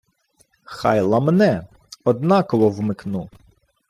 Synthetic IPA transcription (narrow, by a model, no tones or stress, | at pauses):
xɑ̰jlˠɐmnɛ | ɔd̪nɑkɔʋɔwmɪknu